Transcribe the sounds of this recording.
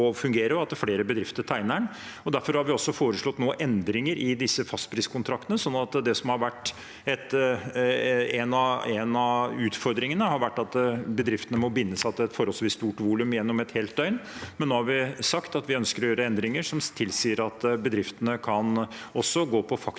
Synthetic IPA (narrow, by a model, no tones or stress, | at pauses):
ɔfʉŋɡeːɾəɾɑt̪fleːɾəbəd̪ɾɪft̪əʈ̪ʰæɪnəɳ | ɔd̪æɾfɔɾhɑɾʋɪɔsːɔfoːɾəʂɭɔt̪noːʔɛnd̪ɾɪŋəɾʔɪd̪ɪsːəfɑst̪̚pʰɾɪːskʰʊnt̪ʰɾɑk̚t̪ənəsɔnːɑt̪d̪ɛsɔmhɑɾʋæʈː | ɛt̪ | ɛnɑɛnɑʉːt̪fɔɾd̪ɾɪŋənəhɑɾʋæʈːɑt̪bəd̪ɾɪft̪ənəmɔbɪnːəsɑt̪ɛt̪fɔɾɔlsʋiːst̪uːʈʋuːlʉmjɛnːɔmɛt̪heːlt̪œʏnmɛnːoːhɑɾʋɪsɑkt̪ɑt̪ʋɪœnskəɾɔjøːɾəɛnd̪ɾɪŋəʂɔmt̪ʰɪlsiːəɾɑt̪bəd̪ɾɪft̪ənəkʰɑnɔsːɔɡoːpʰɔfɑk